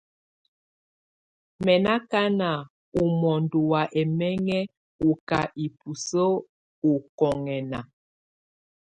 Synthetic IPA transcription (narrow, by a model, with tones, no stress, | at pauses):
mɛ˨na˦ka˦na˨ | u˨mɔ˨n˨du˨wa˨ʔɛ˨mɛ˦ŋɛ˦ | u˨ka˨ʔi˨pu˨so˦ | u˨kɔ˨ŋɛ˨na˨